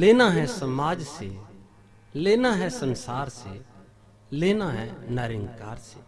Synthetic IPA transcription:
leːnaɦɛsəmaːd͡ʒse | leːnaɦɛsənsaːɾse | leːnaɦɛ̃nəɾɪ̃ŋɡkaːɾseː

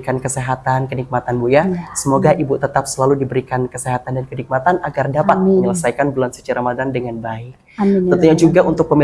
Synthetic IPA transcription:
kankəseɦat̪ankənik̚mat̪anbujasəmoɡaʔibut̪ət̪ap̚səlaludibəɾikankəseɦat̪andankənik̚mat̪anʔaɡardapat̪̚məɲələsajkanbəlansə̥t͡ʃaɾamadandəŋanbaɪk̚t̪ənt̪uɲad͡ʒuɡaʔunt̪ʊk̚pəmi

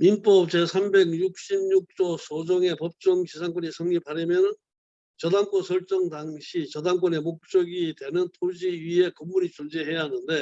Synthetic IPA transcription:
minp͈ʌp̚t͡ɕe̞sʰambe̞ɡɲuk̚ɕ͈imɲuk̚t͡ɕ͈osʰod͡ʑʌŋe̞pʌp̚t͡ɕ͈ʌŋt͡ɕisʰaŋk͈wʌɲisʰʌŋɲipaɾimjʌnɯn | t͡ɕʌdaŋk͈ʌnsʰʌɭt͡ɕ͈ʌŋdaŋɕʰit͡ɕʌdaŋk͈wʌne̞mok̚t͡ɕ͈ʌɡitwe̞nɯntʰod͡ʑiɥiɦe̞kɯmːuɾit͡ɕond͡ʑeɦe̞jaɦanɯnde̞

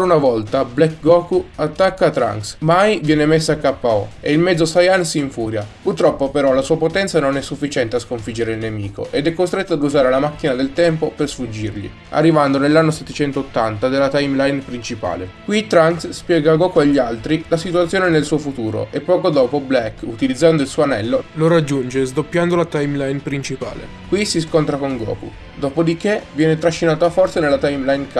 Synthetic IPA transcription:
ɾaunavɔlt̪ablɛkɡɔkuat̪ːakːaːt̪ːɾa̰ŋksmajvjɛːnemesːakːapːaɔ̰eilmɛd̪zːosajansiiɱfuːɾjapurt̪ɾɔpːopeɾɔlasuːapot̪ɛnt̪sanonɛsːufːit͡ʃɛnt̪easkoɱfid͡ʒːeɾeilnemiːko̰ʔed̪ɛkːost̪ɾet̪ːad̪uzaːɾelamakːinad̪elt̪ɛmpopersfud͡ʒːirʎḭ | a̰rːivand̪onelːanːoset̪ːet͡ʃɛnt̪oot̪ːant̪ad̪elːat̪ajmlajnpɾint͡ʃipa̰ːlekwit̪ɾansspjɛːɡaɡɔːkuaʎːialt̪ɾilasit̪uat̪sːjoːnenelsuːofut̪uːɾo̰ʔepːɔːkod̪ɔːpoblɛkːut̪ilid̪zːand̪oilsuːoanɛlːoloɾad͡ʒːund͡ʒezd̪opːjand̪olat̪ajmlajnpɾint͡ʃipa̰ːlḛ | kwisiskont̪ɾakoŋɡɔ̰ːkṵ | d̪ɔːpod̪ikevjɛːnet̪ɾaʃːinaːt̪oafɔrt̪sanelːat̪ajmlajnka

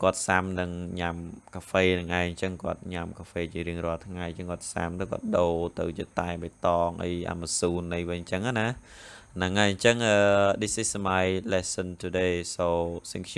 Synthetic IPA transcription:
kŏət̪̚samnɨŋɲamkʰaːfeːnɨŋʔaɛjɲt͡ɕəŋkŏət̪̚ɲamkʰaːfeːt͡ɕiəɾiəŋrŏəlt̪ʰŋajɲt͡ɕəŋkŏət̪̚sa̰mt̪əwkŏət̪̚ɗoːt̪ɨwt͡ɕiət̪aɛɓət̪ɑːŋʔə̰jʔa̰masuːnːɨjʋɨɲt͡ɕəŋana | nɨŋːʔaɛɲt͡ɕəŋʔəːɗisihsamajlɛsənt̪ʰuɗeːsoːsiŋkʰj

